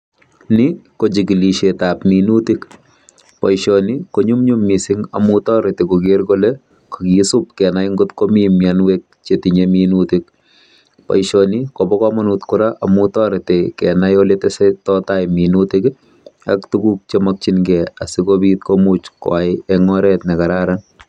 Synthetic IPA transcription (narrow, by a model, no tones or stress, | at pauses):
nɪkod͡ʒikiliʃetapminutik | pajʃɔnikoɲumɲumːisɪŋa̰mutɔɾetekoɡeɾkole | ko̥kisup̚kɛnajŋɡʊt̪komimjanwek̚t͡ʃetiɲeminutik̚ | pa̰jʃɔnikɔbɔkɔmɔnutkʊɾaʔamutɔɾetekɛnajoletɛsetɔtajminutɪk | a̰ktukuk̚t͡ʃemak̚t͡ʃinɡɛa̰sikobitkomut͡ʃkɔ̰ajɛŋɔɾɛtnɛkaɾaɾan